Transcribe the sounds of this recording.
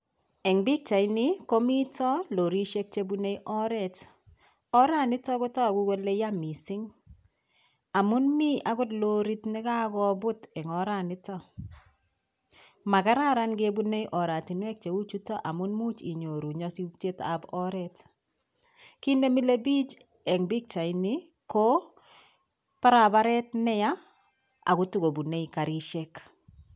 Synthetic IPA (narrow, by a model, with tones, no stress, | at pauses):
ɛ˨ŋbi˦k̚t͡ʃa˨ɪ˦nɪ˦ko˦mi˦tɔ˦lo˨ɾi˦ʃe˦k̚t͡ʃe˦bune˦ʔɔ˦ɾɛ˨t | ɔ˦ɾa˦˨nɪ˦tɔ˦kʊ˦tɔ˦˨ɡu˦ɡo˦le˦ja˦mi˨sɪ˦ŋ | a˨mʊ˦nmi˦ʔa˦ɡʊ˦dlo˦ɾi˦tnɪ˦ka˦ɡɔ˦bʊ˦tɛ˨ŋɔ˨ɾa˨nɪ˦tɔ˦ | ma˨ka˦ɾa˦ɾa˦nɡe˦bu˦ne˦jʔɔ˨ɾa˨ti˨nwɛ˦k̚t͡ʃe˨u˦t͡ʃu˦tɔ˦ʔa˨mʊ˦nmu˦t͡ʃi˨ɲo˨ɾu˨ɲɔ˦si˦uk̚t͡ʃe˦ta̰bɔɾɛt | ki˦ne˦mi˦le˦bi˦t͡ʃ | ɛ˨ŋbi˦k̚t͡ʃa˨ɪni˦ | ko˦ | pa˦ɾaba˦ɾɛ˦tnɛ˦ja˦ | a̰˨ɡʊ˦tu˦ɡo˨bu˨ne˦ika˨ɾi˦ʃe˦k